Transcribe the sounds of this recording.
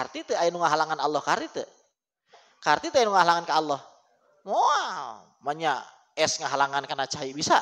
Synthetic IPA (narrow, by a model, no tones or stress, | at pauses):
art̪it̪əajanuŋaɦalaŋanalːɔhkart̪it̪ə̰ | kart̪it̪ajinuŋaɦalaŋankaalːɔh | moal | maɲa | ɛsŋaɦalaŋankanat͡ʃaibisa̰